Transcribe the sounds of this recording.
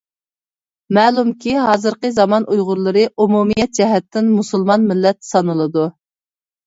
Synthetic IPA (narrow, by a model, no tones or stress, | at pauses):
mɛːlˠumkʲʰiɦɑːzɨɾqəzɑmɑnʔujʁʊɾlˠɨɾɨʔumumijɛt̪̚d͡ʒɛɦɛt̪ʰːɪnmusɨlˠmɑnmɪlːɛt̪sɑnɨlˠɨd̪u